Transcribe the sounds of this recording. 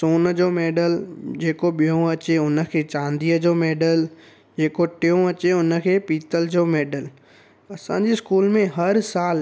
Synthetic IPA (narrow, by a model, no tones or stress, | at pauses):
soːnd͡ʑoːmeːɖəld͡ʑeːkoɓijõɐt͡ɕeʊnə̆kʰeːt͡ɕãːnd̪iːəd͡ʑoːmeːɖəl | d͡ʑeːkoʈɪjõɐt͡ɕeʊnə̆kʰeːpiːt̪əld͡ʑoːmeːɖəl | ɐsã̰ːɲd͡ʑiskuːlmẽɦɐɾsaːl